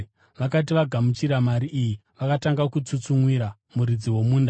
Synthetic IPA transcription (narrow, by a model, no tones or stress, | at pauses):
ʋakat̬iʋaɡʱamut͡ʃiɾamaɾiʔːjiʋakataŋɡakut͡sut͡suŋwiɾa | muɾid͡ziwo̞muːnda